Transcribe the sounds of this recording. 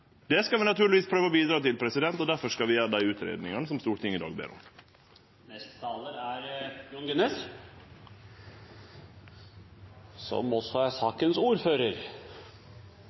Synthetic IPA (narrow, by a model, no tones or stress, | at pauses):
d̪ɛːskɑlʋɪnɑt̪ʰʉːɾɭɪʋiːspʰɾøːʋəobiːd̪ɾɑːt̪ɪlpʰɾɛsɪd̪ɛnt̪ɔd̪æɾfɔʂkɑlʋɪjæːɾəd̪æɪʉːt̪ɾḛːd̪nɪŋɑnəsɔmst̪uːʈɪŋɪd̪ɑ̰ːɡ̚bḛːɾɔ̰m | nɛst̪t̪ʰɑləɾæɾjuːnɡɛneːs | sɔ̰mɔsːɔæɾsɑːkənsuːɾføːɾəɾ